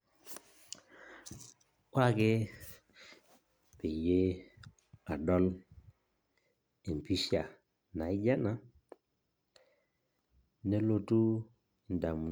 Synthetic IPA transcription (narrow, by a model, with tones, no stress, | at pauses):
wa˦˨ke˦ | pe˨je˦ | a˨dɔ˦l | e˨m˨pi˦sa˨ | na˨i˦d͡ʒa˦na˨˦ | ne˦lo˦tu˦ | i˨nda˨mu˨